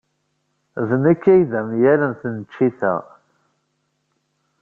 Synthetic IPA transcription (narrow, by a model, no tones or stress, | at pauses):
ðnəkːæjðæmjælənθənət͡ʃːiθæ̰ʁ